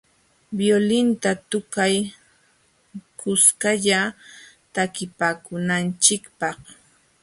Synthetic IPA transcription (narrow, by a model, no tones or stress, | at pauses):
bjolɪnt̪at̪ʊkaj | kʊskaʎa | t̪akɪpaːkʊnant͡ʃɪkpɑχ